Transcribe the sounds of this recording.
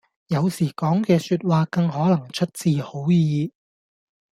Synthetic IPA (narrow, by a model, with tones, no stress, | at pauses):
jɐ˨˧wsiː˨˩kɔː˨˥ŋkɛː˧syː˧t̚waː˨˧kɐ˧ŋɦɔː˨˥lɐ˨˩ŋt͡ʃʰɵ˥t̚t͡siː˧ho˨˥wjiː˨˧